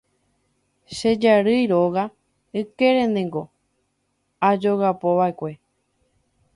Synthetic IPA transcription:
ʃed͡ʒaɾɨjɾo̞ɣa | ɨke̞ɾẽ̞nẽ̞ŋɡo̞ | ad͡ʒo̞ɣapo̞βaekʷe̞

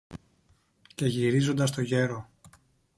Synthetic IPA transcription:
ce̞ʝiɾizo̞nd̪ɐst̪o̞ʝe̞ɾo̞

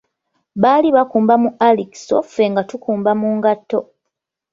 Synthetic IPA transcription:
βaliβakuːmbamuʔaliki̥sofe̞ŋɡatukuːmbamuːŋɡatːo̞

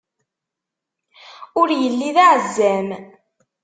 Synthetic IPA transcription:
ʊɾjəlːiðaʕzːæm

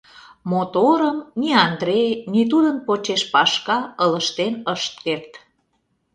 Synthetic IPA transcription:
mot̪oɾəmniɑnd̪ɾejnit̪̬ud̪ənpot͡ɕeʃpɑʃkɑələʃt̪enəʃt̪̚kert̪

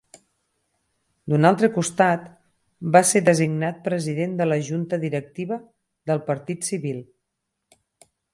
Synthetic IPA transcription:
d̪unalˠt̪ɾəkust̪at̪ | baseðəziɡnat̪̚pɾəziðend̪ələʒunt̪əðiɾək̚t̪iβə | ðəlˠpəɾt̪it̪siβilˠ

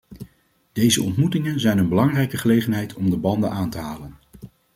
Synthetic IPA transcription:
d̥ejzəɔntmutɪŋənzɛjnənbəlɑŋrɛjkəχəlejχənɦɛjtʰɔmdəbɑndənʔaːntəɦaːlən

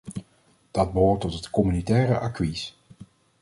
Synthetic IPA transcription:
d̥ɑd̚bəɦʊːɹtɔtɦətkɔmynitɛːrəʔakʋis

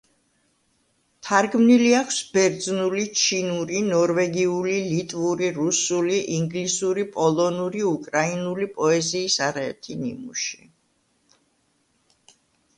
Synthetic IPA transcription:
t̪ʰaɾɡmniliakʰsbɛɾd̪znulit͡ʃʰinuɾinɔɾvɛɡiulilit̪ʼvuɾiɾusuliʔiŋɡlisuɾipʼɔlˠɔnuɾiukʼɾainulipʼɔɛziːsaɾɛɛɾt̪ʰinḭmṵʃi̥

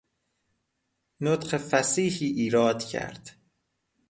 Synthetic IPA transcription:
not̪qefæsiːhiːʔiːɾɒːd̪cʰæ̰ɾd̪̥

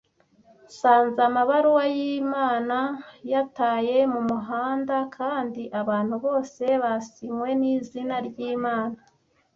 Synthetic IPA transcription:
saːnzamaβaɾuwajimaːnajataːje̞mumuɦaːndakʰaːndiʔaβaːn̥huβo̞ːse̞βasimwe̞niːzinaɾɟiːmaːna

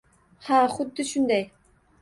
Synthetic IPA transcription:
haχʊd̪ːɪʃʊnd̪aj

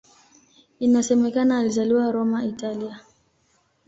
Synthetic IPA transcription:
inasɛmɛkanaːlizaliwaɾɔmaitalia

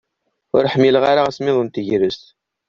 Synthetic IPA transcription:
ʊ̰ɾħəmːilʁaɾaʁasmɪðˤənt̪əʝɾəst̪

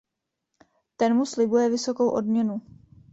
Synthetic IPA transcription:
t̪ɛnmuslɪbujɛvɪso̞ko̞wʔo̞̰dmɲɛnu

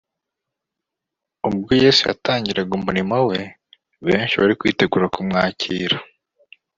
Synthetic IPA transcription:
ub̚ɡuje̞ːsuja̰tʰaːɲɟiɾaɡumuɾimawe̞ | βe̞ːnʃiβaɾikwḭːte̞ɡuːɾakumŋaːciːɾa

